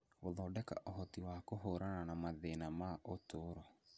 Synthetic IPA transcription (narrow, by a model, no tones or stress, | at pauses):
ɣoðɔːdɛka̰ʔoɦɔtiwakoɦoːɾananamaðenamaʔotoːɾɔ